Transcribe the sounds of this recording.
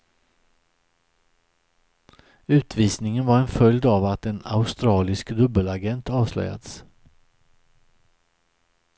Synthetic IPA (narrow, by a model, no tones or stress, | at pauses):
ʉ̟ːt̪viːsnɪŋənvaɾɛnfœljd̪avat̪ɛna̰ʊst̪ɾɑːlɪskd̪ɵbːəlaɡɛnt̪ɑːvslœ̰ja̰d̪s